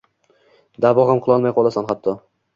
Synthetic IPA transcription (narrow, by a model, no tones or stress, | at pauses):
d̪abɒʁamqʰɨlˠɒlˠmajqʰolˠasanχapt̪ʰːɒ